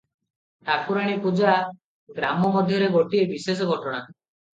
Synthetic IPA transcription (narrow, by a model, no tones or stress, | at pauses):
t̪akuɾaɽ̃ipud͡ʒaː | ɡɾamɔmɔd̪ʱjɔɾeɡoʈiebises̬ɔɡʱɔʈɔɽ̃a